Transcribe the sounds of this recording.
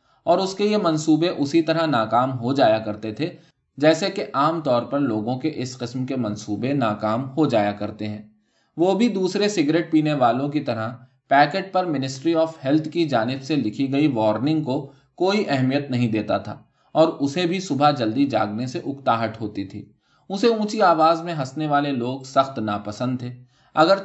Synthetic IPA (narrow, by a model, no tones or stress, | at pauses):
ɔːɾʊskejemɐ̃nsuːbeʔʊsit̪ɐɾəɦnaːkaːmɦod͡ʒaːjakɐɾt̪et̪ʰe | d͡ʒɛːsekeʔaːmt̪ɔːɾpɐɾloːɡõkeʔɪsqɪsmkemɐ̃nsuːbenaːkaːmɦod͡ʒaːjakɐɾt̪eɦɛ̃ː | ʋoːbʱid̪uːsɾesɪɡɾeːʈ̚piːneʋaːlõkit̪ɐɾəɦ | pɛːkeːʈ̚pɐɾmɪnɪsʈɾiɔːfhɛlt̪ʰkid͡ʒaːnɪbselɪkʰiɡɐiʋɔːɾnɪ̃ŋɡko | koːiʔɛɦmijət̪nɐɦĩd̪eːt̪at̪ʰa̰ː | ɔːɾʊsebʱisʊbʱad͡ʒɐld̪id͡ʒa̰ːɡneseʔʊkt̪aːɦəʈɦoːt̪it̪ʰḭː | ʊseũːt͡ʃiaːʋaːzmẽɦɐsneʋaːleloːɡsɐxt̪naːpɐsə̃nd̪̚t̪ʰːeː | ɐɡəɾ